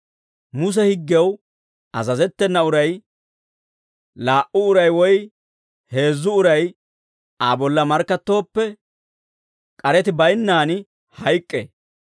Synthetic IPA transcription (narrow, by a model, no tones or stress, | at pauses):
mʊs̬ɛhɪɡːɛw | ɐzɐzɛt̪ːɛnːɐʊɾɐj | laːʔʊʊɾɐjwɔj | he̞ːzːʊʊɾɐj | aːbɔlːɐmɐɾkːɐt̪ːo̞ːpːɛ | kʼɐɾɛt̪ɪbɐjnːaːnɪ | hɐjkʼːe